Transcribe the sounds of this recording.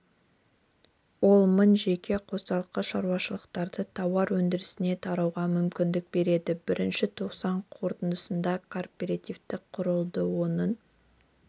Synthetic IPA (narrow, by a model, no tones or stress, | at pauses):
wo̞lˠmənʒe̞kʲe̞qʰo̞sɑlˠqːəʃɑɾuwɑʃəlˠəqt̪ɑɾd̪ət̪ʰɑwɑɾwɵnd̪ɪɾɪsɪne̞t̪ʰɑɾɑwʁɑmʏmkʲɪnd̪ɪk̚be̞ɾe̞d̪ɪbɪɾʔɪnʃɪt̪ʰo̞qsɑɴqʰo̞ɾt̪ənd̪əsənd̪ɑkʰo̞rpʲeɾat̪ivt̪ɪkqʰʊɾəlˠd̪əwo̞nən